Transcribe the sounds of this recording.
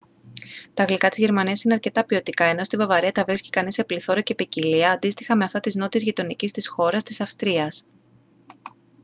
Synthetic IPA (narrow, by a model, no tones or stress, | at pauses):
t̪ɐːɣlikɐt̪izʝe̞ɾmɐniɐsine̞ɐɾce̞t̪ɐpio̞t̪ikɐe̞no̞st̪ivɐvɐɾiɐt̪ɐvɾisci̥kɐnisepliθo̞ɾɐce̞piciliɐːnd̪ist̪i̥xɐme̞ɐft̪ɐt̪izno̞t̪izʝit̪o̞nicist̪isxo̞ɾɐst̪isɐfst̪ɾiɐs